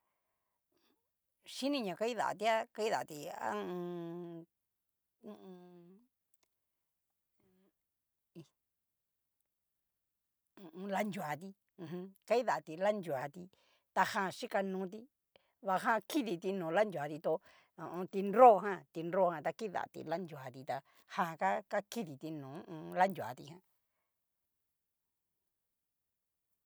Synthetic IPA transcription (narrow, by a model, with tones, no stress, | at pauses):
ʃi˦nĩ˦˧ɲã˨˧ka˧˦i˦ða̰˨a̰˧t̪i˧˦a˦ka˦i˦ða̰˨t̪i˧ã̰˦˧ | i˧ | la˦nd͡ʒu˨a˨t̪ĩ˧˨ | ɦka˦i˦ða˨t̪i˧la˦nd͡ʒu˨a˨t̪i˧ | t̪a˧hã˧˨ʃi˦ka˧nũː˧˦t̪̬i˧ | βa˧ɦã˦ki˦ði˧t̪i˧nũː˨˧la˦nd͡ʒu˨a˨t̪i˧t̪o˧ | õ˧õ˧t̪i˧nɾɾo˦˨˧ɦã˦t̪i˧nɾo˦˨hã˧t̪a˧ki˦ða̰˨t̪ḭ˧la˦nd͡ʒu˨a˨t̪i˧t̪a˧ | hã˧˨˧ka˦ka˦ki˦ði˨t̪i˧nũː˨˦ũ˧la˦nd͡ʒu˨a̰˨t̪ḭ˧hã˧